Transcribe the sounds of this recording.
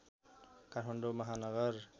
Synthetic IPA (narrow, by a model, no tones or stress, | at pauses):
kaɾʰmʌɳɖomʌɦanʌɡʌr